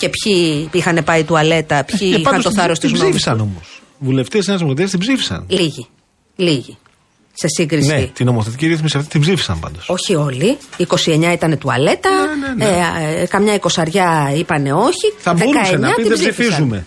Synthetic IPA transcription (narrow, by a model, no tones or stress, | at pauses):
ce̞pçiixɐne̞pɐit̪uɐle̞t̪ɐpçiiɐɐnost̪oθɐɾost̪izbzifisɐno̞mos | vule̞ft̪esenɐzmɐt̪iɐst̪ibzifi̥sɐ̰nliʝi | liʝi | se̞siŋɡɾisneit̪ino̞moθe̞t̪iciɾiθmisiɐft̪i̥t̪ibzifi̥sɐ̰mpɐ̰nd̪oso̞çio̞liːko̞sie̞ɲɐit̪ɐne̞t̪uɐle̞t̪ɐnnkɐmɲɐiko̞sɐɾʝɐipɐne̞o̞çiθɐbðeukɐeɲɐt̪ibziifisizume̞